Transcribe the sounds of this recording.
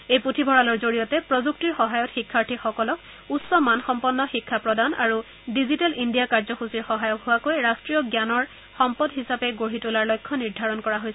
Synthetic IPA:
ejputʰibʱɔɹalɔɹzoɹijɔtɛpɹɔzuk̚tiɹxɔɦajɔtxikʰːaɹtʰixɔkɔlɔk | utsɔmanxɔmpɔnːɔxikʰːapɹɔdanaɹu | dizitɛlindijakaɹzɔxusiɹxɔɦajɔkɦʊwakojɹastɹijɔɡjanɔɹ | xɔmpɔdɦisapɛɡoɹitulaɹlɔjkʰːɔniɹdʱaɹɔnkɔɹaɦojsɛ

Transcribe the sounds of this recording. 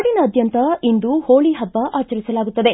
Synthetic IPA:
ɽinɐːd̪ʱjɐnt̪ɐind̪uhoːɭiɦɐb̪ːɐʔaːt͡ʃɐɾisɐlaːɡut̪ːɐd̪e̞

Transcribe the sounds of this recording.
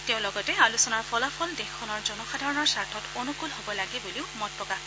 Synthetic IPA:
teʊ̃lɔɡɔtɛalusɔnaɹpʰɔlapʰɔldexʰːɔnɔɹzɔnɔxadʱaɹɔnɔɹsaɹtʰɔtonukulɦobɔlaɡibuliʊmɔtɹɔka

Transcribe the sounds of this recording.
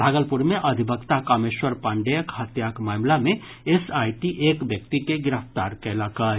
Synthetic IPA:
bʱaːɡəlpuɾmẽʔɐd̪ʱibʱəkt̪akameʃwəɾpãːɳɖejəkɦət̪jaːkmaːmlamẽ | esaːjʈiʔeːkbjəkt̪ikeɡɪɾəft̪aːɾkɛlakə

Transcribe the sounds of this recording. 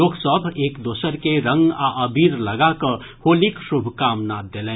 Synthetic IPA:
oːɡsəbʱeːkd̪oːsəɾkeɾə̃ŋɡaʔəbʱiːɾləɡakə | hoːlikʃubʱkaːmnad̪elẽː

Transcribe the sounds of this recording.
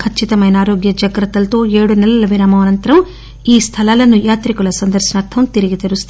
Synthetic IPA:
kʰɐt͡ʃːit̪ɐmɐjnɐaːɾoːɡjɐd͡ʒɐɡɾɐt̪ːɐlt̪o̞ːeːɽunɛlɐlɐʋiɾaːmɐʋɐnɐnt̪ɐɾɐm | iːst̪ʰɐlaːlɐnujaːt̪ɾikulɐsɐnd̪ɐɾʃɐnɐɾt̪ʰɐmt̪iɾiɡit̪ɐɾust̪

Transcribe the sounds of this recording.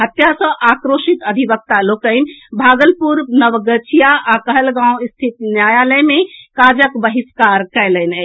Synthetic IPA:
ɦət̪jasə̃ʔakɾoʃit̪əd̪ʱibək̚t̪alokənbʱaɡəlpuɾnəʋɡət͡ʃʰijaʔakəɦəlɡãw̃st̪ʰit̪njajaləmekad͡ʒəkbəɦiskaɾkɛjlɛnɛ

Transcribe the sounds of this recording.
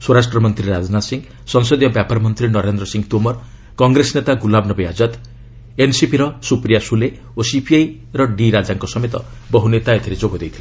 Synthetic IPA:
swoɾasʈɾɔmɔnt̪ɾiɾad͡ʒnasiŋ | sɔŋsod̪ijɔbjapaɾɔmɔnt̪ɾinɔɾend̪ɾɔsiŋɡt̪umɔɾ | kɔŋɡɾesɔnet̪aɡulabnɔbɔjad͡ʒɔt̪ | ensipiɾɔsupɾijasule | osipʰiaj | ɾɔɖiɾad͡ʒaŋkɔsɔmet̪ɔ̰ | bɔɦunet̪ajɔt̪ʰiɾed͡ʒoɡɔd̪ejt̪ʰile

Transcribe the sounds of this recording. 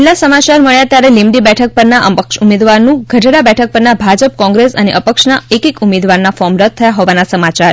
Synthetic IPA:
lasəmat͡ʃaɾməɭjat̪jaɾelimɖibɛʈʰək̚pəɾnaʔəpəkʃumed̪ʋaɾnũɡʱəʈɽabɛʈʰək̚pəɾnabʱad͡ʒəp̚kɔ̃ŋɡɾesə̰nḛʔəpəkʃnaekikumed̪ʋaɾnafɔmɾət̪̚ʰːəjaɦɔʋanasəmat͡ʃaɾ

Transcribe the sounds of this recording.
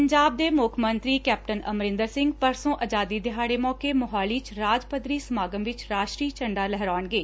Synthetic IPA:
əɲd͡ʒaːb̚d̪eːmʊkʰmənt̪ɾiːkɛːp̚ʈənəmɾɪ̃nd̪əɾsɪ̃ŋɡpəɾsõːʔəd͡ʒaːd̪iːd̪ɪɦaːɽeːmɔːkeːmʊɦaːliːt͡ʃɾaːd͡ʒpəd̪ɾiːsəmaːɡəmʋɪt͡ʃɾaːʃʈɾiːt͡ʃəɳɖaːlɛɦɾaːəɳɡeː

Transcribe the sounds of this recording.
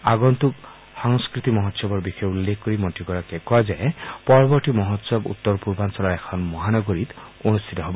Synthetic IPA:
aɡɔnt̪uk | hɔŋskɾit̪imɔɦɔt̪sɔbɔɾbixʰɔjeulːekʰkoɾimɔʈikɔɾakekɔad͡ʒaepɔɾɔbɔɾʈimɔɦɔt̪sɔbṵt̪ːɔɾɔpuɾbansɔlɔɾekʰɔnmɔɦanɔɡoɾit̪onust̪ʰit̪ɔɦebɔ

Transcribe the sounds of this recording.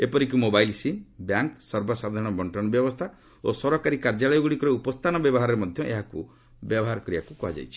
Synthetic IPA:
epɔɾikumobajlsinbjaŋksɔɾbɔsad̪ʱaɾɽ̃ɔbɔɳʈɔɽ̃ɔbjɔbɔst̪ʰa | osɔɾɔkaɾikaɾd͡ʒalɔjɔɡuɽikɔɾeupɔst̪ʰanɔbjɔbɔɦaɾɔɾemɔd̪ʱjɔʔḛɦaku | bjɔbɔɦaɾɔkɔɾiakukɔɦad͡ʒa̰jt͡ʃʰi̥

